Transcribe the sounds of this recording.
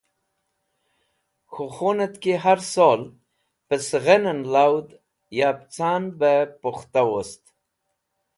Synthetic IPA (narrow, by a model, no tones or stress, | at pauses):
xoxonat̪keɦaɾsol | pəsɣənənlawd̪ | japt͡sɑnbəpoxt̪awost̪